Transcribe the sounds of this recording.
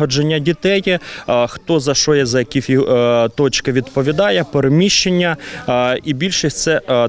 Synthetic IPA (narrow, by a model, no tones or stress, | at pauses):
ɔd͡ʒenʲːɐdʲit̪ɛjxt̪ɔzɐʃɔjɛzɐjɐkʲifʲit̪ɔt͡ʃkɪʋʲid̪pɔʋʲid̪ɑjɛpeɾemʲiʃt͡ʃenʲːɐ | ibʲilʲʃɪsʲt̪sɛ